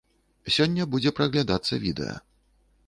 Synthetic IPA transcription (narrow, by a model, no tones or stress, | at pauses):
sʲɔnʲːɐbud͡zʲɛpɾɐɣlʲad̪at̪sːɐ̰vʲid̪ɛ̰jɐ̰